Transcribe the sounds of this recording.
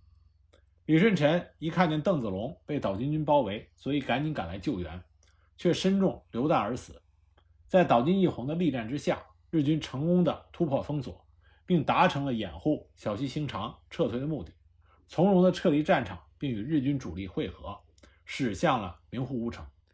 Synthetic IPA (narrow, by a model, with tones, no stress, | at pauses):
li˨˩ʂwə˥˩nʈ͡ʂʰə˧˥ni˧˥kʰa˥˧nt͡ɕjɛ˥˧nt̪ɤ˥˩ŋt͡sɹ̩˨˩lʊ˧˥ŋpe˥˩ɪt̪ɑ˨˩ʊt͡ɕy˥nt͡ɕy˥npɑ˥ʊwe˧˥ɪswɔ˧˥i˨˩ka˧˥nt͡ɕi˧˥nka˨˩la˧˥ɪt͡ɕjo˥˩ʊɥɛ̰˧˥n | t͡ɕʰɥɛ˥˩ʂə˥nʈ͡ʂʊ˥˩ŋljo˧˥ʊt̪a˥˩ə˞˧˥sɹ̩˨˩˦ | t͡sa˥˩ɪt̪ɑ˨˩ʊt͡ɕi˥ni˥˩xʊ˧˥ŋd̪ə˧li˥˧ʈ͡ʂa˥˩nʈ͡ʂɻ̩˥ɕja̰˥˩ | ɻɻ̩˥˩t͡ɕy˥nʈ͡ʂʰɤ˧˥ŋkʊ˥ŋd̪ə˨t̪ʰu˥pʰwɔ˥˩fɤ˥ŋswɔ̰˨˩˦ | pi˥˩ŋt̪a˧˥ʈ͡ʂʰɤ˧˥ŋlə˧jɛ̰˨˩nxu˥˩ɕjɑ˧˥ʊɕi˥ɕi˧˥ŋʈ͡ʂʰɑ˧˥ŋʈ͡ʂʰɤ˥˧t͡sʰwe˥ɪə˧mu˥˧˩t̪i˥˩ | t͡sʰʊ˧˥ŋɻʊ˧˥ŋd̪ə˧ʈ͡ʂʰɤ˥˩li˧˥ʈ͡ʂa˥˩nʈ͡ʂʰɑ̰˨˩˦ŋpi˥˩ŋy˨˩ɻɻ̩˥˩t͡ɕy˥nʈ͡ʂu˨˩li˥˩xwe˥˩ɪxɤ̰˧˥ | ʂɻ̩˨˩ɕjɑ˥˩ŋlə̰˩mi˧˥ŋxu˥˩u˧˥ʈ͡ʂʰɤ˧˥ŋ